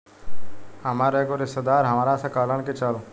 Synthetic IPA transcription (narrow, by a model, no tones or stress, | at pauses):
həmaːɾeːkoɾɪst̪əd̪aːɾɦəmaːɾaːsãːkaːləɳ̃ket͡ʃəl